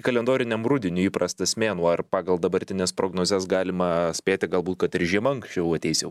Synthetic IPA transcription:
kɐlʲɛnd̪oːɾʲɪnʲɛmɾʊd̪ʲɪnʲuːiːpɾɐst̪ɐsʲmʲeːnuːɐrpɑːɡɐlˠd̪ɐbɐɾʲt̪ʲɪnʲeːspɾoːɡnoːzʲɛsɡɑːlʲɪmɐsʲpʲeːt̪ʲɪɡɐlˠbuːt̪kɐt̪ɪɾʒʲiɛmɐŋksʲt͡ʃʲɛʊɐt̪ʲɛɪsʲjɛʊ

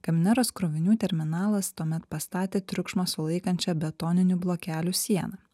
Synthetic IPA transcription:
kɐmʲɪnʲɛɾoːskɾoːʋʲɪnʲuːt̪ʲɛɾʲmʲɪnɑːlˠɐst̪uɔmʲɛt̪pɐst̪ɑːt̪ʲeːt̪ʲɾʲʊkʃmosʊlˠɐɪkɐnʲt͡ʃʲɛbʲɛt̪oːnʲɪnʲuːblˠoːkʲæːlʲusʲiɛnɐ

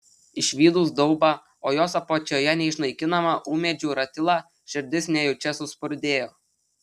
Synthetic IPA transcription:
ɪʃʲʋʲiːd̪uːsd̪ɔʊbɑ | oːjoːsɐpot͡ʃʲoːjɛnʲɛɪʃnɐɪkʲɪnɐmɐʔuːmʲɛd͡ʒʲuːɾɐt̪ʲɪlˠɑː | ʃʲɪɾʲd̪ʲɪsʲnʲɛjot͡ʃʲɛsʊspʊɾʲd̪ʲeːjoː

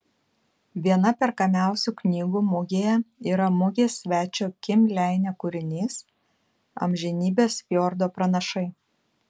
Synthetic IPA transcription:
ʋʲiɛnɐpʲɛɾkɐmʲæˑʊsʲuːknʲiːɡuːmʊɡʲeːjɛiːɾɐmʊɡʲeːsʲʋʲæːt͡ʃʲoːkʲɪmʲlʲæˑɪnʲɛkʊɾʲɪnʲiːs | ɐ̰mʲʒʲɛnʲiːbʲeːsʲjoːɾd̪oːpɾɐnɐʃɐɪ

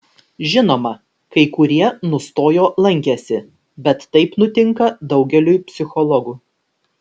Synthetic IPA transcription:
ʒʲɪnoːmɐ | kɐɪkʊɾʲiɛnʊst̪oːjoːlˠɐŋʲkʲɛsʲɪ | bʲɛt̪ːɐɪpnʊt̪ʲɪŋkɐd̪ɒʊɡʲɛlʲujpʲsʲɪxɔlˠɔɡuː

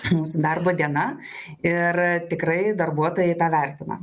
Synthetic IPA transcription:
muːsʊd̪ɐrboːd̪ʲiɛnɐ | ɪrt̪ʲɪkɾɐɪd̪ɐrbuɔt̪oːjɛɪt̪ɑːʋʲɛrʲt̪ʲɪnɐ̰

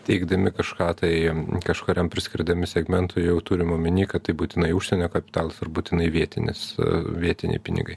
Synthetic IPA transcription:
t̪ʲɛɪɡd̪ɐmʲɪkɐʃkɑːt̪ɐɪkɐʃkoːɾʲɛmpʲɾʲɪsʲkʲɪɾd̪ɐmʲɪsʲɛɡmʲɛnt̪ʊjɛʊt̪uːɾʲɪmoːmʲɪnʲiːkɐtt̪ɐɪbuːt̪ʲɪnɐɪuʃʲsʲɛnʲoːkɐpʲɪ̥t̪ɑːlˠɐsɐrbuːt̪ʲɪnɐɪʋʲiɛt̪ʲɪnʲɪ̰sʋʲiɛt̪ʲɪnʲɛ̰ɪpʲɪnʲɪ̰ɡɐɪ

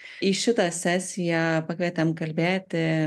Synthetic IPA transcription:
iʃʲɪt̪ɑsʲæːsʲɪjɛpɐkʋʲɛt̪ʲɛmkɐlʲbʲeːt̪ʲɪ

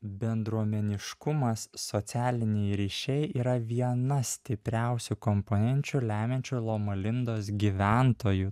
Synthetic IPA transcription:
bʲɛnd̪ɾuɔmʲɛnʲɪʃkʊmɐsːot̪sʲæːlʲɪnʲɛjɾʲiːʃʲɛɪʔiːɾɐʋʲiɛnɐsʲt̪ʲɪpʲɾʲæˑʊsʲʊkɔmpoːnʲɛnʲt͡ʃʲulʲæːmʲɛnʲt͡ʃʲulˠoːmɐlʲɪnd̪oːsɡʲiːʋʲænt̪oːjʊ

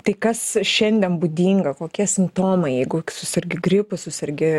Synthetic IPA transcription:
t̪ɐɪkɐsʃʲɛnʲd̪ʲɛnbuːd̪ʲiːŋɡɐkoːkʲiɛsʲɪmpt̪oːmɐɪjɛɪɡʊkʲsʊsʲɐɾʲɡʲɪɡɾʲɪpʊsʊsʲɐɾʲɡʲɪ

